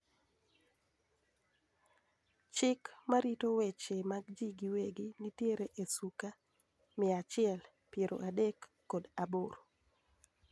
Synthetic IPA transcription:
t͡ʃɪkmaɾitowɛt͡ʃemaɡd͡ʒiɡiweɡinitjeɾeʔesuka | mɪat͡ʃɪɛl | pjeɾo̰ʔadekː | odaboɾo

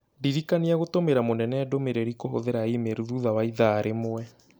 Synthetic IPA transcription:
diɾikaniaɣotomeɾamonɛnɛdomeɾeɾikoɦo̰ðeɾaimeɾuðuðawaiðaːɾʔemoɛ

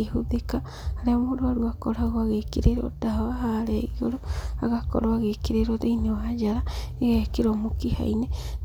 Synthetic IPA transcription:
ehoðekaː | ɾeamoɾoaɾuakoɾaɣoaɣekiɾeɾɔ̰daaɦaɾɛɣioɾoa̰ɣakɔ̰ɾoaɣekeɾeɾoðeinewad͡ʒaɾaeɣakeɾɔmokiha̰ine

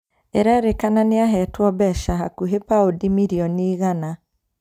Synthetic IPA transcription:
eɾɛɾekananeaɦɛtwɔbɛʃaɦakuɦepaodimiɾiɔniːɣana

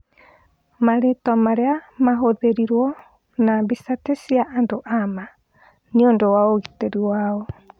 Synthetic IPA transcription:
maɾetɔmaɾeamaɦoðeɾiɾwɔ | nabisatesiaʔːndoʔama | niondowaoɣiteɾiwaɔ

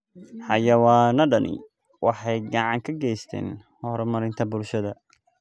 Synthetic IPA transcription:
ħɑjɐwɑːnɐɖɐnɪ̰ | wʔɑħɑjɡɑʕɑŋkʰɐɡɛjst̪ʰɛ̰ːn | hɔɾɔmɐɾɪnt̪ʰɐbʊlʃɐðɐ

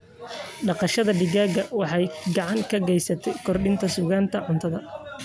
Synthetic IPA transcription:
ɖɑqɑʃɐðɐɖɪɣaːɣɐwɑħɑjɡɑʕɑŋkʰɐɡɛjsɐt̪ʰɛjkʰɔrɖɪnt̪ʰɐsuːɣaːnt̪ʰɐʕʊnt̪ʰɐðɐ

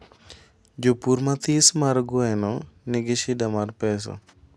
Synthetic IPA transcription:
d͡ʒopuɾmat̪ismaɾɡʊɛnɔnɪɡeʃidamarpɛs̬ɔ̰

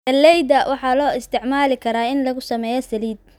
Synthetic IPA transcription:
ɐlːɛjd̪ɐwʔɑħɑːlɔːɪst̪ʰɪʕmaːlɪkʰɐɾaːɪnlɐɣʊsɐmɛːjɔsɐliːd̪̚

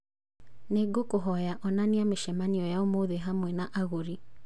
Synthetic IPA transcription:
neɡokoɦɔjaʔɔnaniameʃɛmaniɔjaomoðeɦamwɛnaʔaɣoɾi

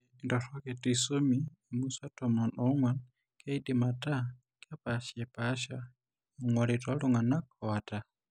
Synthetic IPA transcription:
ndɔɾɔkɛtisomiː | musatɔmɔnɔŋwan | kʰɛidimata | kapaʃɛpaʃa | uŋwalitɔluŋanakʰɔata

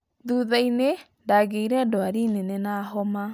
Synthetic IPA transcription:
ðuːðaine | ndaːɣeiɾɛdoaɾinenenaɦɔma

